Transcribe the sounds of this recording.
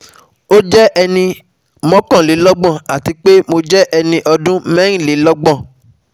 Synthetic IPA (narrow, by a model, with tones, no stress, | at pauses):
o˦d͡ʒɛ˦ʔɛ˧nĩ˧ | mɔ̃˦kã˦˨le˨˦lɔ˦ɡ͡bɔ̃˦˨a˨ti˧k͡pe˦mo˧d͡ʒɛ˦ʔɛ˧nĩ˧ʔɔ˧dũ˦mɛ̃˦ɾ̃ĩ˦˨le˨˦lɔ˦ɡ͡bɔ̃˦˨